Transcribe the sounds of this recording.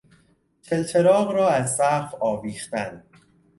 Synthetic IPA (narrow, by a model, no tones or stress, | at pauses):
t̪ʰelt̪ʰeɾɒːʁɾɒːæzsæfɒːviːχt̪æn